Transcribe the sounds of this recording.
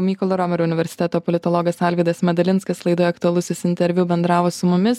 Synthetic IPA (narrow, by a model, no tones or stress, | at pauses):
mʲiːkɔlˠɐɾɔmʲɛɾoʊnʲɪʋʲɛɾʲsʲɪt̪ʲɛt̪oːpɔlʲɪt̪ɔlˠɔːɡɐsɑlʲʋʲiɪd̪ɐsmʲɛd̪ɐlʲɪnskɐslˠɐɪd̪oːjɔɐkt̪ʊɐlˠʊsʲɪsɪnʲt̪ʲɛɾʲʋʲʊbʲɛnd̪ɾɑːʋoːsʊmʊmʲɪs